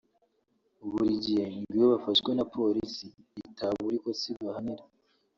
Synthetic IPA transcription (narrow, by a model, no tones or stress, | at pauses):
uβuɾiɟihemɡijoβafaʃkwenapʰo̞ɾisiːtʰaβuɾikosiɡahaniɾa